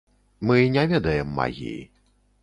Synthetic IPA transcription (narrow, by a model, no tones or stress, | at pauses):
mɨnʲavʲɛd̪ɐjɛmːa̰ɣʲḭj